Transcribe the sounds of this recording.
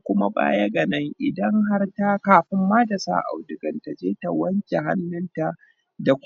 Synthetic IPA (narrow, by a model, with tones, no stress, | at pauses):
kʷʊ˦ma˦ɓa̰ː˦jɐ˦ɡɐ˨nɐ˦ŋʔɪ˨dɐ˦ŋɦa˦rta˦kaː˨ɸɪ˦mːaː˦da˨sa̰ː˦ʔa̰˨wdʊ˨ɡɐ˨nta˨d͡ʒeː˦ta˨wɐ˦nt͡ʃe˨ɦa̰˦nːɪ˦nta˨ | da˨kʷ